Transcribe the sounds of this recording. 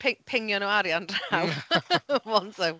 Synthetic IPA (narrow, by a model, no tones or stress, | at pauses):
pʰɪpʰɪŋjɔnɔwaɾjandraw | mɔntɪw